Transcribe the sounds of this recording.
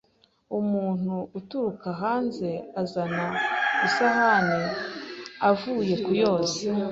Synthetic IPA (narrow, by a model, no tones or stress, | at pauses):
umuːn̥huːtuɾukaɦaːnze̞azanaisahane | avuːje̞kujo̞ːze